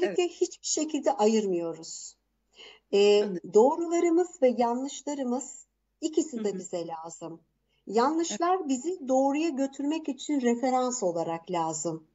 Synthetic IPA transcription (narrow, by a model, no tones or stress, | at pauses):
ilʲːiclʲɛhit͡ʃbiʃe̞cʰilʲd̪ɛʔajɯɾmɯjo̞ɾuz̥ | ɛːd̪o̞ːɾulˠaɾɯmɯzvɛjanlːˠɯʃlˠaɾɯmɯz̥ | icʰisid̪ɛbizɛlʲaːz̥ɯm | janlˠɯʃlˠaɾbizid̪o̞ːɾujaɟø̞t̪ʰyɾmɛcyt͡ʃʰinɾefe̞ɾanso̞lˠaɾaklʲaːzɯm